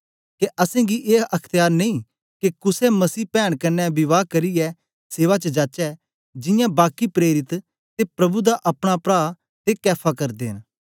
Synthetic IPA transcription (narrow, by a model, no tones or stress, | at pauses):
keʔɐsẽːɡiʔeːɐkʰt̪ɪjaːɾneĩː | kekʊsɛmɐsiːpɛːɽ̃kɐnːɛbɪʋaːkɐɾiɛ | seːʋat͡ʃəd͡ʒaːt͡ʃɛ | d͡ʒɪ̃jãːbaːkipɾeːɾɪt̪ | t̪epɾɐbud̪aʔɐpɽ̃apɾaː | t̪ekɛːpʰakɐɾd̪eːn